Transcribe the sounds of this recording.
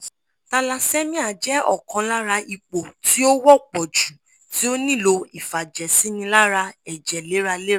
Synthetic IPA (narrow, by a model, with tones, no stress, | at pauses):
ta˧la˧sɛ˦mĩ˦a˨d͡ʒɛ˨˦ɔ̰˦˨kɔ̃˨˧la˦ɾa˧ʔi˧k͡po˨ti˦o˦wɔ˦k͡pɔ˨d͡ʒu˨ | ti˨˦o˦nĩ˦˨lo˧i˦˨fa˨d͡ʒɛ˨sĩ˨˦nĩ˧la˦ɾa˧ɛ˨d͡ʒɛ˨le˨˦ɾa˧le˦˨